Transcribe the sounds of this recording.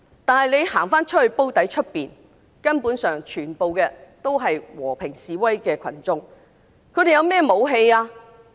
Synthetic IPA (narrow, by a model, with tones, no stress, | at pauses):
t̪aː˨nɦɐ˨jle˨˧jhaː˨˩ŋfaː˥nt͡ʃʰɵ˥t̚hɵ˧ɥpo˥wt̪ɐ˨˥jt͡ʃʰɵ˥t̚piː˨n | kɐ˥npuː˨˥nsœː˨ŋt͡ʃʰyː˨˩npo˨wkɛː˧t̪o˥wɦɐ˨jwɔː˨˩pʰɪ˨˩ŋsiː˨˧wɐ˥jkɛː˧kʷʰɐ̰˨˩nt͡sʊ˥ŋ | kʰɵ˨˧˥ɾe˨jɐ˨˧wmɛː˥˩mo˨˧wɦe˧jaː˧